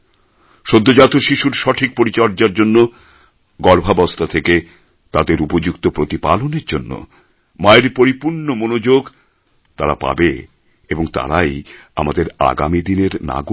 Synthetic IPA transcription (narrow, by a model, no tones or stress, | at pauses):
ʃod̪ʱːod͡ʑat̪oʃiʃuɾʃɔʈʰik̚poɾit͡ɕɔɾd͡ʑaɾd͡ʑonːo | ɡɔɾbʱabɔst̪at̪ʰeke | t̪ad̪eɾupod͡ʑukt̪opɾot̪ipaloneɾd͡ʑonːo̰ | maeɾpoɾipuɾɳomonod͡ʑoɡ | t̪aɾapa̰be | eboŋt̪a̰ɾaja̰mad̪eɾa̰ɡa̰mid̪ineɾna̰ɡu